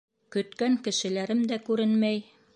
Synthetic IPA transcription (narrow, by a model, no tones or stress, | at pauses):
kɵ̆t̪kæŋkɘ̆ʃɘ̆læɾɘmd̪ækʉɾɘnmæj